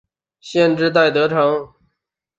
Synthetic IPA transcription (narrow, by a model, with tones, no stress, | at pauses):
ɕjɛ˥˧nʈ͡ʂɻ̩˥˧t̪̬a˥˩ɪt̪ɤ˧˥ʈ͡ʂʰɑ˧˥ŋ